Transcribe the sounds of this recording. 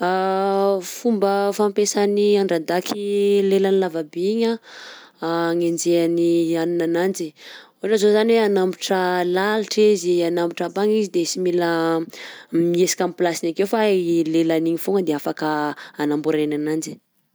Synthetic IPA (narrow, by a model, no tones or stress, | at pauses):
a | fumbəfampesaniaɳɖ͡ʐad̪akʰilelanilavabeɲa | ŋend͡ʒeanianinanand͡ʒi | oʈ͡ʂazozanweanambiʈ͡ʂəlaliʈ͡ʂizianambiʈ͡ʂabaŋizid̪esimilə | miesi̥kʲamplasinakewfalelaniɲifoŋəd̪eafakəanambuɾenanand͡ʒi̥